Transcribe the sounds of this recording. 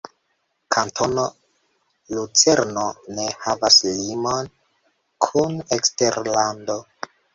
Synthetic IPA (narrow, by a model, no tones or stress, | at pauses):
kʰantʰo̞no | lut͡se̞ɾnone̞havaslimo̞n | kʰunekste̞ɾlando̞